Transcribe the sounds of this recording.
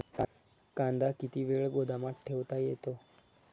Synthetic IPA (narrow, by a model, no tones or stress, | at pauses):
ka | kãnd̪akit̪iʋeɭɡod̪amãʈʰeʋt̪ajet̪o